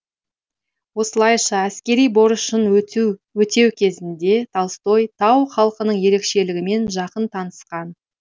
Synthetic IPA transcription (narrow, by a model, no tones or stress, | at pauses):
wo̞səlˠɑjʃɑæskʲe̞ɾijbo̞ɾəʃənwɵt̪e̞wkʲʰe̞zɪnd̪e̞t̪ʰɑlˠst̪o̞jt̪ʰɑwχɑlˠəqənəɴje̞ɾe̞kʃe̞lɪɡʲɪme̞nʒɑqənt̪ʰɑnəsqɑn